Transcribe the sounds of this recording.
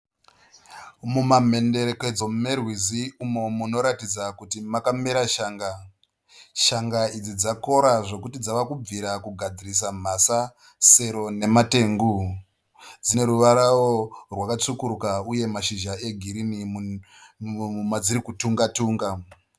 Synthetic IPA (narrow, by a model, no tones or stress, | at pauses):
mumam̤e̞nde̞ɾeke̞d͡zo̞mmerwiziumo̞muno̞ɾatid͡zakutimakameɾaʃaːŋɡa | ʃaŋɡaid͡zid͡zako̞ɾaʐo̞kutid͡zaʋakub͡viɾakuɡʱad͡ziris̬am̤asa | se̞ɾo̞ne̞mate̞ŋɡu | d͡zine̞ɾuʋaɾaworwakat͡sukuɾukauje̞maʃiʒae̞ɡʱiɾini | umad͡ziɾikutuŋɡatuːŋɡa